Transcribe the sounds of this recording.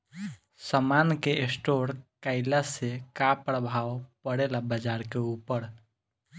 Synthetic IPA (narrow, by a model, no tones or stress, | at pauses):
səmaːnkeesʈoːɾkaɪlasekapɾəbʱaːwpəɽelabəd͡ʒaːɾkeuːpəɾ